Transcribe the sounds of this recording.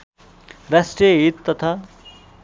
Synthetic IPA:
rasʈrijʌɦit̪ːʌt̪ʰa

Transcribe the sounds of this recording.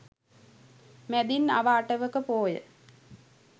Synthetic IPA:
mæd̪inːa̰ʋaːʈəʋəkəpoːjə̰

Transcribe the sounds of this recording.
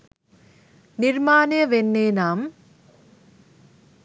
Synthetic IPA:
niɾmaːnɐjɐʋenːeːnaːm

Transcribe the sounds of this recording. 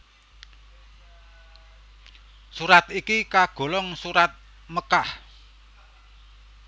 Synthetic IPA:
suɾat̪ikikaɡ̥o̤lɔŋsuɾat̪̚ | məkah

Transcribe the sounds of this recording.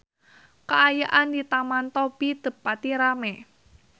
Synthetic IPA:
kaʔajaʔand̪it̪amant̪ɔb̥id̪̥ə̤pːat̪iɾamɛ

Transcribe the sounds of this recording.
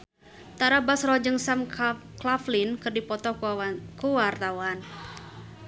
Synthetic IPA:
t̪aɾabasrɔd͡ʒəŋsamklaflinkɨrdipɔt̪ɔkuwart̪awan

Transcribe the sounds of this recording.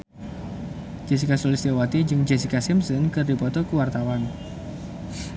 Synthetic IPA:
d͡ʒesikasɔlɪsd̪ewat̪id͡ʒɨŋd͡ʒesikasimsɔnkɨrdipɔt̪ɔkuwart̪awan

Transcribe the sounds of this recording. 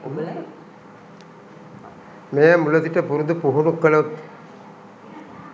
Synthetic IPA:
m | mejəmulət̪iʈəpuɾud̪upuɦunukːələt̪

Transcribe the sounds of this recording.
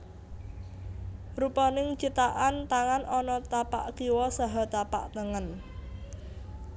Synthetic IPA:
rupɔnɪŋt͡ʃit̪aʔant̪aŋanʔɔnɔt̪apa̰ʔkiwɔsaɦɔt̪apa̰ʔt̪əŋən

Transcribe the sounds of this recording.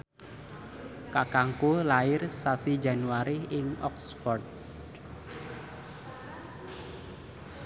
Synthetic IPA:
kakaŋkolaɪrsasi̥d͡ʒa̤nuaɾiɪŋɔksfɔrd̪̚

